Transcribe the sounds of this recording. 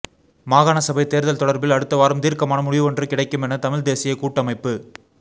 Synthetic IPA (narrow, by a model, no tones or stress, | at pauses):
maːɣaːnɐsɐbɐɪt̪eːɾðɐlt̪ɔɽɐɾbɪlɐɽɯt̪ːɐʋaːɾɯmt̪iːɾkɐmaːnɐmʊɻɪʋɯʋɔndrɯkɪɽɐɪkːɯmɛnɐt̪ɐmɪld̪eːsɪjɐɪkuːʈːɐmɐɪpːɯ